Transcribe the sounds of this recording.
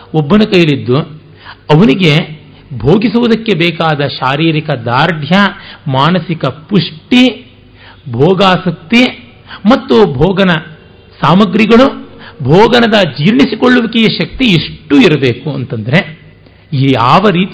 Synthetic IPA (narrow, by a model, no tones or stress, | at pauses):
obːɐnɐkɐjɐlid̪ːu | ɐʋɐniɡe̞ | bʱoːɡisuʋud̪ɐkːe̞bɛːkaːd̪ɐʃaːɾiːɾikɐd̪aːɾd̪ʱjɐmaːnɐsikɐpuʂʈi | bʱɔːɡaːsɐk̚t̪i | mɐt̪ːubʱɔːɡɐnɐ | saːmɐɡɾiɡɐɭubʱɔːɡɐnɐd̪ɐd͡ʒiːɾɳisikoɭːuʋɐkɛjɐʃɐk̚t̪iiʂʈːuiɾɐbe̞ːkuɐnt̪ɐnd̪ɐɾe̞ | aːʋɐɾiːt̪